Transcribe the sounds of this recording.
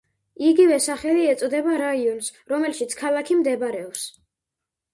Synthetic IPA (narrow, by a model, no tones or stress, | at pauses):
iɡivɛsaχɛliɛt̪sʼɔd̪ɛbaɾaiɔnsɾɔmɛlʃit̪sʰkʰalˠakʰimd̪ɛbɾɛɔps